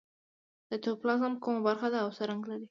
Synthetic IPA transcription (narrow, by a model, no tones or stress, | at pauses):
d̪̥ət̪oplɑzamkumabaɾxad̪aːwsəɾaŋɡlaɾi